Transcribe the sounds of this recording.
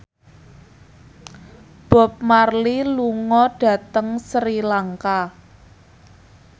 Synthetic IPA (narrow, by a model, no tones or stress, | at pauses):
b̥ɔ̤p̚marliluŋɔɖ̥ä̤t̪əŋsɾilaŋka